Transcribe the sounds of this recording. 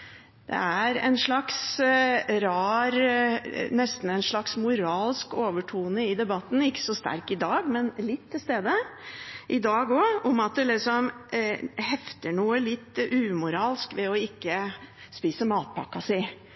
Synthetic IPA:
d̪̥ɛ̰æɾɛ̰ɪnʂɭɑks | ɾɑːɾ | nɛst̪n̩ɛɪnʂɭɑksmʊɾɑːlskoːʋəʈʰuːnəɪd̪ɛbɑt̪ːn̩ɪkːə̥sɔst̪æ̰ɾkɪd̪ɑːɡmɛnlɪt̪ʰːɪlst̪eːd̪ə | ʔɪd̪ɑːɡɔʊmɑt̪̚d̪ɛlɪksɔm | hɛft̪əɳuːəlɪt̪ːʉːmʊɾɑːlskʋɛɔɪkːə | spiːsəmɑːt̪̚pʰɑ̰kːɑsɪ

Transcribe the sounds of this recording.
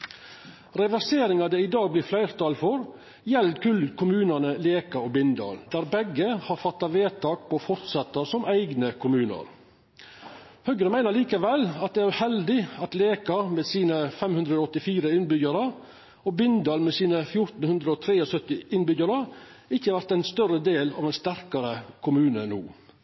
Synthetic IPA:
ɾɛʋæseːɾɪŋɑd̪ɛɪd̪ɑːɡ̚blɪːflæɪɾt̪ʰɑːlfɔɾ | jɛlkʰʉlkʰʊmʉːnənəleːkɑobɪnd̪ɑ̰ːld̪æːɾbɛɡəhɑːɾfɑt̪ːɑʋeːt̪ʰɑːk̚pʰɔːfɔɾt̪sɛt̪ːəsɔmʔæɪɡnəkʰʊmʉːnə̰ɾ | hœɡɾəmæɪnəɾɭiːkəʋɛlɑt̪̚d̪ɛæɾʉhɛld̪ɪɑt̪leːkɑɾmɛsiːnəfɛmhʉnd̪ɾəːɔt̪ːɪfiːɾəɪnbʏɡəɾə | ɔbɪnd̪ɑlmɛsiːnəfjʊɾt̪n̩hʉnd̪ɾəɔːt̪ʰɾeːɔsœt̪ːɪʔɪnbʏɡəɾəɪçːəhɑɾʋæɾt̪æɪnst̪œɾəd̪eːlɑ̰ʋɛɪnst̪æɾkɑɾəkʰʊmʉːnənṵː

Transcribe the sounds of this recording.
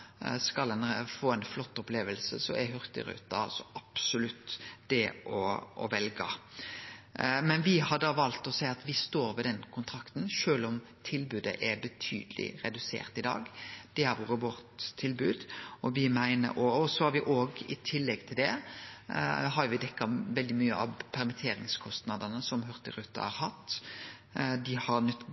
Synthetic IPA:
skɑlɛnfoːɛnflɔt̪ːɔpleːʋəlsəsɔ̰ɛɦœɾt̪ɪ̰ɾʉ̰ːt̪ɑ̰sɔʔɑpsʊlʉt̪ːd̪̥ɛʔɔʔɔ̰ʋɛlɡɑ̰ | mɛnʋɪhɑɾd̪ɑːʋɑlt̪ɔsæɪɑt̪ʋɪst̪oːɾʋɛd̪ɛnkʰʊnt̪ʰɾɑkt̪n̩ʃøːlɔmt̪ʰɪlbʉːd̪ə̰ʔɛbət̪ʰy̰ːd̪əlʔɪ̰ɾɛ̰d̪ʉsḛːɾt̪ɪd̪ɑ̰ːɡd̪̥ɛhæɾʋuːɾəʋɔɾt̪ʰːɪlbʉːd̪ɔʋɪmæɪnə̰ɾʔɔɔsɔhɑɾʋɪʔoːɡɪ̰t̪ʰɪlːɛɡt̪ʰɪld̪ɛ | ɦɑɾjʊʋɪd̪ɛkːɑʋɛld̪ɪmyːəʔɑʋpʰɛɾmɪt̪ʰeːɾɪ̰ŋskʰɔst̪nɑd̪ənəsɔmɦœʁt̪ɪɾʉt̪ːɑ̰hɑ̰ɾhɑt̪ː | d̪ɪhɑɾnœt̪

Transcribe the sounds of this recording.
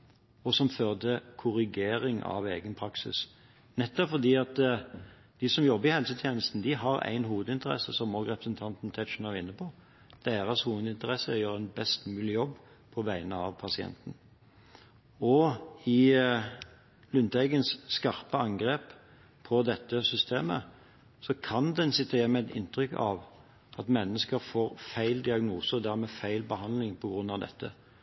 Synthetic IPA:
ɔsɔmføːʁd̪əkʰʊʁɪɡeːɾɪŋʔɑ̰ʋḛːɡənpʰɾɑksɪ̰s | nɛt̪ːɔfɔd̪iːɑt̪ | d̪̥ɪsɔmjɔbːəɾɪhɛlsət̪ʰjeːnəst̪n̩d̪ɪɦɑɾæ̰ɪnɦuːʋəd̪əɪnt̪əʁɛ̰səsɔmːɔɡʁɛpɾəsənt̪ʰɑnt̪n̩t̪ʰɛʃnɑʁɪnːəpʰɔ | d̪̥eːɾəshuːʋəd̪ɪnt̪əʁɛsəjøːɾɛnbɛst̪mʉːlɪjɔbː | pʰɔʋæɪnəɑʋpʰɑsɪɛ̰nt̪n̩ | ɔɪ | lʏnt̪æɡənsːkɑʁpəɑŋɡʁeːp | pʰɔd̪ɛt̪ːəsʏst̪ʰeːmə | sɔkʰɑnd̪ɛnsɪt̪ʰːəjɛmɛɛd̪ɪ̰nt̪ʁʏkɑ̰ʋ | ʔɑt̪mɛnːəskəɾfoːʁfæɪld̪ɪɑɡnuːsəɔd̪æʁmɛːfæɪlbəhɑnd̪lɪŋpʰɔɡɾʉnːɑʋd̪ɛ̰t̪ʰːə̰

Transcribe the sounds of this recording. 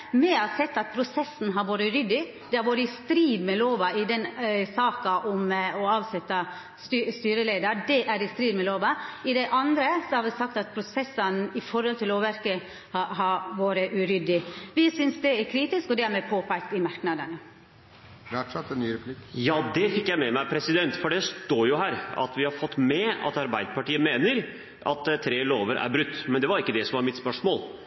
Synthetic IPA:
mɛɑsɛt̪ːɑt̪̚pʰɾʊsɛsn̩ɦɑɾʋoːɾəʉɾʏd̪ɪ | d̪̥ɛhɑɾʋoːɾəɪst̪ɾiːd̪mɛloːʋɑɪd̪ɛnsɑːkɑʔɔmɔɑːʋsɛt̪ːɑ | st̪ːst̪yːɾəleːd̪ədɛʔæɾɪst̪ɾiːd̪mɛloːʋɑɪd̪ɛʔɑnd̪ɾəsɔhɑɾʋɪsɑkt̪ɑt̪̚pʰɾʊsɛsːənɪfɔɾhɔlt̪ʰɪloʋæɾkə | hɑɦɑɾʋoːɾəʔʉɾʏd̪ɪʋɪsʏnsd̪ɛæɾkʰɾiːt̪ɪskɔd̪ɛɾmɛpʰoːpʰæk̚t̪ɪmɑɾknɑd̪ənə | ʋæʈʂɛt̪ːɛnnyːɾɛpʰlɪkjɑːd̪ɛfɪkːjæɪmɛmæɪpʰɾɛsɪd̪ɛnt̪fɔɖɛst̪oːɾjʊɦæːɾɑ̰t̪ʋɪhɑɾfɔt̪ːmɛɑ̰t̪ɑɾbæɪd̪əpɑʈiːəmeːnəɾ | ʔɑ̰t̪t̪ʰɾeːloːʋəɾʔæ̰ɾbɾʉt̪ːmɛnd̪ɛʋɑɾɪkːəd̪ɛsɔmʋɑɾmɪt̪spœʂmoːl

